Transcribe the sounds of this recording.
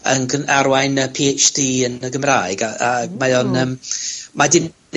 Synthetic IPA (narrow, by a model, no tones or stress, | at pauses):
ənɡənaɾwajnəpʰeːt͡ʃd̥iːənəɡəmraːɨɡaamajɔnəːmmadɪn